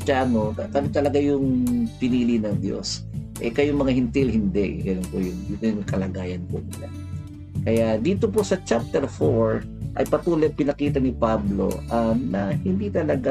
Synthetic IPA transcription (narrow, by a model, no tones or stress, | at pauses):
t͡ʃanokɐkɐnt̪ɐlɐɡajʊŋpɪniːlɪnɐŋd̪jo̰sʔɛ̰kɐjʊŋmɐŋahɪnt̪ilhɪnd̪ɛʔɡɐnonpojʊŋd̪iːt̪ojʊŋkɐlɐɡaːjɐnpo̰mʊla̰ | kɐjad̪iːt̪opo̞sɐt͡ʃap̚t̪ɛɾfoɹ | ʔɐ̰jpɐt̪uːlojpɪnɐkiːt̪ɐnɪpablo̞̰ʔɐnɐhɪnd̪it̪ɐlɐɡa